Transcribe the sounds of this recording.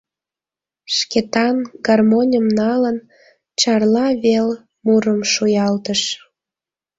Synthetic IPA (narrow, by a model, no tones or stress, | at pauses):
ʃket̪ɑnɡ̥ɑrmonʲəmnɑlən | t͡ɕɑrlɑβel | muɾəmʃujɑlt̪əʃ